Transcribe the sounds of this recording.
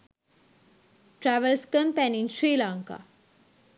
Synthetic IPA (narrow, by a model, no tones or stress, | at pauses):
ʈɾæʋəlskə̃mpẽnĩnʃɾiːlãːŋka̰